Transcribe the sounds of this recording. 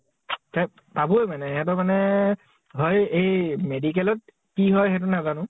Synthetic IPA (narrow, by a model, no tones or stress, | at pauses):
ka | tabʊɛmanɛɛt̬ɔmanɛ | ɦɔjejmedik̬ɛlɔt̚ | kiɦɔjxɛt̬unazanʊ̃